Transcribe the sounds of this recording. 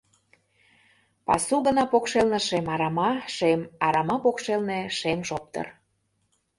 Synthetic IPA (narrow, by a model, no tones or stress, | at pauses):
pɑ̰suɣənɑpokʃelnə̆ʃemɑɾɑmɑʃemɑɾɑmɑpokʃelneʃemʃop̚t̪ə̰r